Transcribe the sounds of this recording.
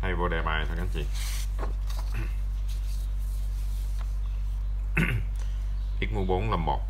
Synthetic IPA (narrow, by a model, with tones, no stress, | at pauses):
a˧jvoː˧˩ɗɛ˨˩maː˨˩jt̪ʰa˨˧˩ŋka˨˦nt͡ɕḭ˧˨ | ʔi˦˥k̚mu˧ɓo˨˦nlə˨˩mːo̰˨˩t̚